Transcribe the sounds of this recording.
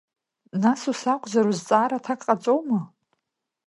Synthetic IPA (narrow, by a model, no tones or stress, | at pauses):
nasusakʷʰʼzaɾuzt͡sʼaːɾatʰakʼqʼat͡sʼowma